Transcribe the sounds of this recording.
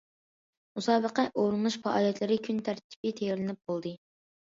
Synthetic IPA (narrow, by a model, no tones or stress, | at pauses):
musɑːbəqɛʔoɾɨnlˠuʃpɑʔɑːlˠijɛt̪lɪɾɪkʲʰynt̪ʰæɾt̪ʰi̥pɪt̪ʰɛjɛɾlɪnɪp̚b̥olˠd̪ɨ